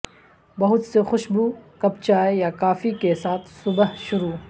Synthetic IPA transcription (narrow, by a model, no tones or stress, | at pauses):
bɐɦʊt̪sexʊʃbuːkɐp̚t͡ʃaːejakaːfikesaːt̪ʰsʊbəɦʃʊɾuː